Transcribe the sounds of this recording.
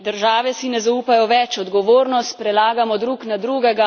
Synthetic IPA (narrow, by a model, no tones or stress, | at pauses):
d̪əɾʒaːʋɛsinɛzauːpajɔʋɛt͡ʃɔd̪ɡɔʋoːɾnɔst̪pɾɛlaːɡamɔd̪ɾuːknad̪ɾuːɡɛɡa